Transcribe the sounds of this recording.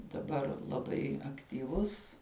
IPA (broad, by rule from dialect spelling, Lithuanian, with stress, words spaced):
dɐˈbɐr lˠɐˈbɐɪ ɐktʲiːˈʋʊs